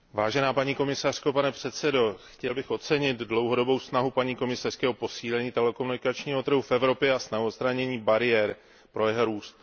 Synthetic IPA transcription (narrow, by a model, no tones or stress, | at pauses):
vaːʒɛnaːpaɲiːko̞mɪsar̝̥kopanɛpr̝̥ɛt̪sɛdo̞xcɛlbɪxo̞t̪t͡sɛɲɪt̪dlo̞wɦo̞do̞bo̞wsnaɦupaɲiːko̞mɪsar̥skɛopo̞siːlɛɲiːt̪ɛlɛkomunɪkat͡ʃɲiːɦo̞t̪ɾ̩ɦufɛvɾo̞pjɛasnaɦotst̪ɾaɲɛɲiːbaɾɪjɛɾ | pɾo̞jɛɦoɾuːst̪̚